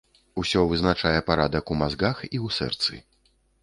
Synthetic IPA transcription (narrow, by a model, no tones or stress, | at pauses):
usʲɔvɨznat͡ʂajɛpaɾad̪ɐkumazɡaxiwsɛ̰rt̪sɨ̰